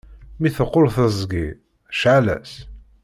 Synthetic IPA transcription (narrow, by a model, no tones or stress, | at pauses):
miθəqːʊlθəzˤɡi | ʃʕalæ̰s